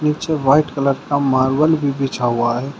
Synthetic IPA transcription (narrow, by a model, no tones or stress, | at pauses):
nit͡ʃeʋaɪʈkələɾkamaːɾbəlbʱibit͡ʃʰaɦuaɦɛː